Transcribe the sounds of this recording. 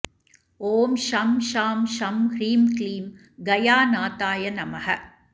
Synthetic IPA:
oːmʃɐmʃaːmʃɐmhɾiːmkliːm | ɡɐjaːnaːt̪aːjɐnɐmɐhɐ

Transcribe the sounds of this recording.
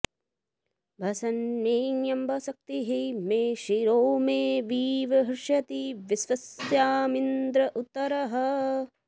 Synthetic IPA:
bʱɐsɐnmeːnjɐmbʱɐsɐk̚t̪iɦimeːʃiɾoːmeːʋiːʋɐɦɾʂjɐt̪iʋisʋɐsjaːmind̪ɾɐʔut̪ːɐɾɐɦɐ

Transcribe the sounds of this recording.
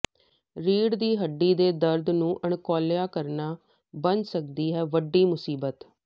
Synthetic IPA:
ɾiːɽd̪iːɦəɖːiːd̪eːd̪əɾd̪nũːʔəɳkoːljaːkəɾnaː | bənsək̚d̪iːɦɛːʋəɖːiːmʊsiːbət̪

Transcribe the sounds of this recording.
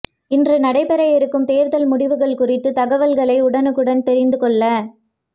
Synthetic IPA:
ɪndrɯnɐɽɐɪpɐɾɐjɪɾɯkːɯmt̪eːɾðɐlmʊɽɪʋɯɣɐɭkʊrɪt̪ːɯt̪ɐɣɐʋɐlɣɐɭɐɪʊɽɐnɯkːɯɽɐnt̪ɛɾɪnd̪ɯkɔɭːɐ

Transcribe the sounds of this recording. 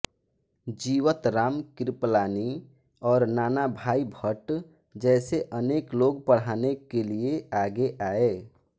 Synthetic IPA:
d͡ʒiːwət̪ɾaːmkɪɾplaːni | ɔːɾnaːnabʱaːibʱəʈ | d͡ʒɛːseʔəneːkloːɡpəɽ̤aːnekelieaːɡeʔaːe

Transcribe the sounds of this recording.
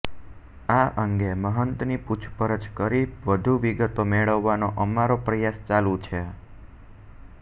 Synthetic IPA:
aʔəŋɡeməɦənt̪niput͡ʃʰpəɾət͡ʃkəɾiʋəd̪ʱuʋiɡət̪omeɭəʋːanoʔəmaɾopɾəjast͡ʃalũt͡ʃʰe

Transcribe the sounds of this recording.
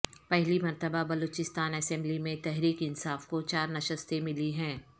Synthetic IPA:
pɛɦlimɐɾt̪əbabɐloːt͡ʃɪst̪aːnɐsɛ̃mblimẽt̪ɛɦɾiːkɪnsaːfkot͡ʃaːɾnɐʃəst̪emɪliɦɛ̃ː

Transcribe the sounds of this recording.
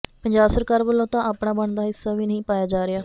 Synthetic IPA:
pəɲd͡ʒaːbsəɾkaːɾbəlːõːt̪ãːaːpɳãːbəɳd̪aːɦɪsːaːʋiːnəĩːpaːjaːd͡ʒaːɾɪaː

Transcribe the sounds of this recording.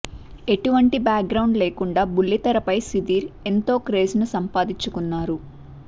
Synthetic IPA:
e̞ʈuʋɐɳʈibaːk̚ɡɾɐwɳɖleːkuɳɖaːbulːit̪ɐɾɐpɐjsid̪iːɾe̞nt̪o̞ːkɾe̞ːd͡ʒnusɐmpaːd̪iɲt͡ʃːukunːaːɾu

